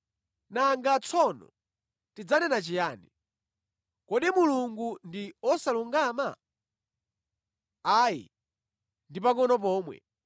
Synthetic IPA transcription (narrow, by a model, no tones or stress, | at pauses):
naŋɡat͡sʰɔnɔ̰ | tid͡zanɛnat͡ʃijaːni | kɔɗimuluŋɡundiɔsaluŋɡama̰ | aːjḭ | ndipakɔnɔp̬ɔːmwɛ̰